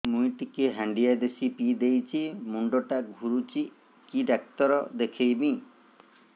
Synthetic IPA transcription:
mujʈikeɦaɳɖijad̪esipid̪ejt͡ʃʰimuɳɖoʈaɡʱuɾut͡ʃi | kiɖak̚t̪ɔɾɔd̪ekʰejbĩ

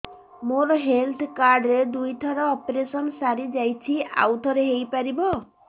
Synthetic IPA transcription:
moɾɔɦelt̪ʰkaɾɖɾed̪ujt̪ʰɔɾɔːpɾesɔnsaɾid͡ʒajt͡ʃʰia̰wt̪ʰɔɾeɦejpaɾibɔ

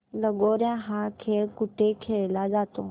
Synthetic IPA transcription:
lɐɠoːɾjãɦaːkʰeːkʊʈekʰeːlaːd͡ʒaːt̪o

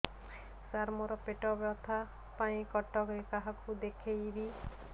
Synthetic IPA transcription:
saɾmɔɾɔpeʈɔbjɔt̪ʰa | paĩkɔʈɔɡekaɦakud̪ekʰejɾi

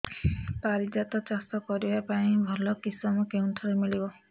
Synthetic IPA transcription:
paɾid͡ʒat̪ɔt͡ʃast̪ɔkɔɾibapaĩbʱɔlɔkisɔmɔkeunʈʰɔɾemiɭibɔ

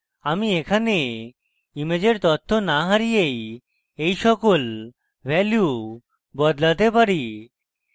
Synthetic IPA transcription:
amiekʰane | imed͡ʑeɾt̪ɔt̪ʰːonaɦaɾijej | ejʃɔkol | bɛlju | bɔd̪lat̪epaɾi

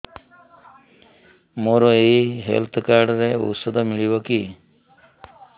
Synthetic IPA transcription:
moɾɔeiɦḛlt̪ʰkaɾɖɾeṵsɔd̪ʱɔmiɭibɔki

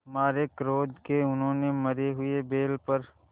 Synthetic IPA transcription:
maːɾekɾoːd̪keʊnɦõːnemɐɾeɦʊebeːlpɐɾ

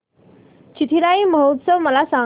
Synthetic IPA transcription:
t͡ɕit̪ʰiɾaiːməɦot̪səʋməlasa

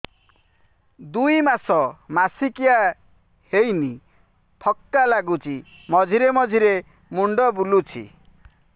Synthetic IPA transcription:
d̪ujmasɔmasikia | hejni | pʰɔk̚t̪alaɡut͡ʃi | mɔd͡ʒʱiɾemɔd͡ʒʱiɾe | muɳɖɔbulut͡ʃʰḭ

